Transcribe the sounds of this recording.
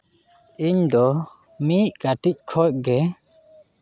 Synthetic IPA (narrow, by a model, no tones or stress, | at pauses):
iɲd̪ɔ | miʔ̚kaʈic̚kʰɔc̚ɡɛ